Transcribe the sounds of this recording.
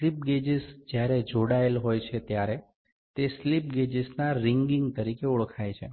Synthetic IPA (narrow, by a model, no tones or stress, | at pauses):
lip̚ɡed͡ʒisd͡ʒjaɾed͡ʒoɽaelɦojt͡ʃʰet̪jaɾe | t̪eslip̚ɡed͡ʒisnaɾɪŋɡiŋɡt̪əɾikeuɭkʰajt͡ʃʰe